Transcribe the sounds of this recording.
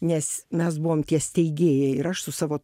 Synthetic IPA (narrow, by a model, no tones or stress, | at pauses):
nʲɛsmʲɛs̬bʊʋoːmt̪ʲiɛsʲt̪ʲɛɪɡʲeːjɛɪɾɐʃsʊsɑːʋoː